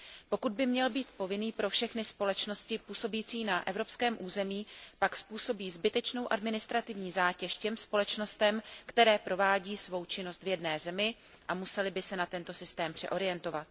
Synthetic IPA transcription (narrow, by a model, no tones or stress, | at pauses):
po̞kud̪̚bɪmɲɛlbiːt̪̚po̞vɪniːpɾo̞fʃɛxnɪspo̞lɛt͡ʃno̞scɪpuːso̞biːt͡siːnaʔɛvɾo̞pskɛːmʔuːzɛmiːpakspuːso̞biːzbɪt̪ɛt͡ʃno̞wʔadmɪnɪst̪ɾat̪ɪvɲiːzaːcɛʃcɛmspo̞lɛt͡ʃno̞st̪ɛmkt̪ɛɾɛːpɾo̞vaːɟiːsvo̞wt͡ʃɪno̞st̪vjɛdnɛːzɛmɪ | ʔamusɛlɪbɪsɛnat̪ɛnt̪o̞sɪst̪ɛːmpr̝̥ɛ̰ʔo̞ɾɪjɛnt̪o̞vat̪̚